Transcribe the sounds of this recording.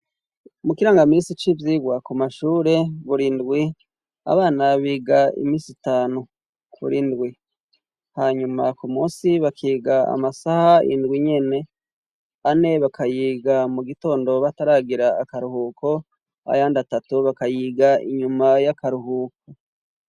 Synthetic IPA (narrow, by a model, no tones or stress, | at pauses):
mukiɾaːŋɡamiːnsit͡ʃivjiɡwakumaʃuːɾe̞βuɾindɡwi | a̰βaːnaβiːɡaḭmiːsitaːnu | kʰṵɾindɡwi | haɲumakumuːsiβakʰiːɡaa̰masahaḭndɡwiɲe̞ne̞ | ane̞βakʰajiːɡamuɡito̞ːndo̞βataɾaːɡiɾaːkaɾuhuːko̞ | a̰jaːndatatuβakajiːɡaḭɲumajakaɾuɦuːk̚o